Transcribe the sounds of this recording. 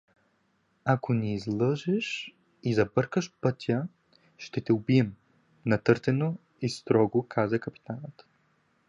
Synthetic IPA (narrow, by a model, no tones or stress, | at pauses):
akoniːzlˠɤʒɛʃ | izɐbɤɾkəʃpɤt̪ʲʰə | ʃt̪ɛt̪ɛʊbiɛm | nɐt̪ɤɾt̪ɛno | ist̪ɾɔɡokʰazəkɐpi̥t̪anət̪